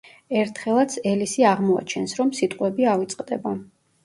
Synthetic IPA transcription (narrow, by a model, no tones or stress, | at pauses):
ɛɾt̪ʰχɛlˠat̪sʰɛlisiaʁmɔa̰t͡ʃʰɛnsɾɔmsit̪ʼqʼwɛbiavit̪sʼqʼd̪ɛ̰ba